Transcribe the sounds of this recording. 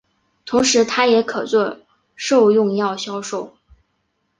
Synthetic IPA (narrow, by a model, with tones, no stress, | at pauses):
t̪ʰʊ˧˥ŋʂɻ̩˧˥t̪ʰa˥jɛ˧˥kʰɤ˨˩t͡swɔ˥˧ | ʂo˥˧ʊjʊ˥˧ŋjɑ˥˩ʊɕjɑ˥ʊʂo˥˩ʊ